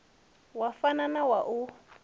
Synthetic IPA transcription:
wafananawaʔu

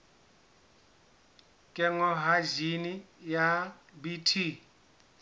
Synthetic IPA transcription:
kʼɛŋɔɦad͡ʒinijabitʰi

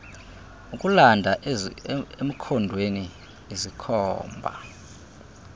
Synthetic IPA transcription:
ukʼulandʱaʔ | em̩kʰɔndʱweni | ezikʰɔːmbʱa̰

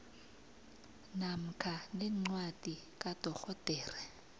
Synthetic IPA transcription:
nam̩kʰanɛŋ͡ǀwad̥ʱikʼad̥ʱɔxɔd̥ʱɛːrɛ

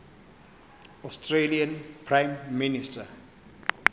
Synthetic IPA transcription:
ɔstʰreliãnpʰrãjmːinistʰa

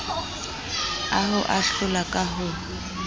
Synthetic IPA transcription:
aɦʊʔaɬʊlakʼaɦʊ

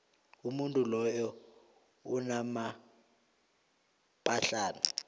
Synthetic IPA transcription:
umuntʼulɔjɔ | unama | pʼaɬaːna

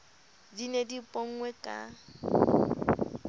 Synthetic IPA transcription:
dinedipʼɔŋ̩ŋwɛkʼa̰

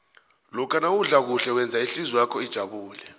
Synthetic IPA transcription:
lɔkʰanawuɮak̬uɬɛwɛnd͡zʱaiɬizijakʰɔid̥ʒ̥ʱaɓuːlɛ

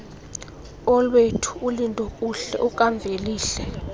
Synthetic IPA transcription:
ɔlwetʰu̥ulintʼɔkʼuɬɛ̰ʔukʼaɱb̪vʱeliːɬɛ

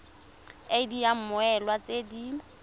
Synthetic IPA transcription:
edijam̩mʊɛlwat͡sedi

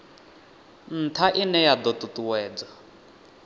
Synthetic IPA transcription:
n̩tʰaʔinɛjad̪ɔt̪ut̪uwɛːd͡za

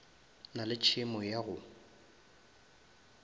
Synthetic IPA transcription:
nalɪt͡ʃʰɪmɔjaɣʊ

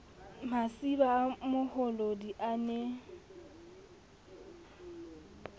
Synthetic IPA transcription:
masibaːmʊhɔlodiʔane

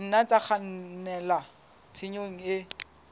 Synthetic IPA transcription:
n̩nat͡sʼak͡xʰannɛla | t͡sʰɪɲoŋ̩ɪ

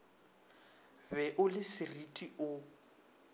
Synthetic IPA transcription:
bɛʔʊlɪsɪritʼiʔʊ

